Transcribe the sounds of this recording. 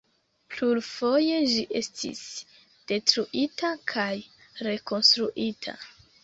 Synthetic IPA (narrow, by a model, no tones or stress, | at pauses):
plulfo̞je̞d͡ʒiʔe̞stʰḭs | d̥e̞tɾuʔitakʰaj | ɾe̞ko̞nstɾuʔitʰa̰